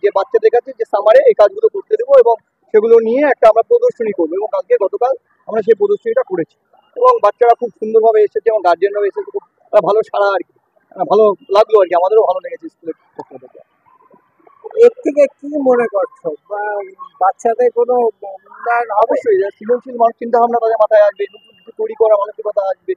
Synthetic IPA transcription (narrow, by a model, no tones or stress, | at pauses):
d͡ʑebatːʃad̪ekʰat͡ɕʰed͡ʑesamaɾeejkad͡ʑɡulopoɾt̪ed̪eboeboŋ | ʃeɡulonijeɛk̚ʈaamɾapɾod̪oʃonikoɾboeboŋad͡ʑkeɡɔt̪okal | amɾaʃ̬ejp̬ɾod̪oʃoniʈakoɾet͡ɕʰi̥ | eboŋbatːʃaɾakʰub̚ʃund̪oɾbʱabeeʃet͡ɕʰeeboŋɡaɾd͡ʑenbʱabeeʃet͡ɕʰekʰub̚ | bʱaloʃaɽaaɾki | bʱalolaɡloaɾkiamad̪eɾobʱalod̪ekʰet͡ɕʰeskuleɾkʰiosod̪oka̰ | ek̚t̪ʰik̬ekimonekoɾt͡ɕʰoabatːʃʰat̪ajkonot̪anɔbaʃːojasiloŋʃilmanuk̚t͡ɕint̪aɦɔbnat̪ad̪eɾmat̪ʰaeaʃbeeboukit͡ɕʰut̪ojɾikɔɾamanokikɔt̪aaʃbe